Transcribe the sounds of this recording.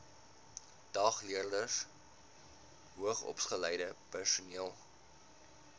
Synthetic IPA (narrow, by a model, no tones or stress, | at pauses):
d̥ɑːχliərdərs | ɦuəχɔ̰psχəlɛjdəpærsuniəlˠ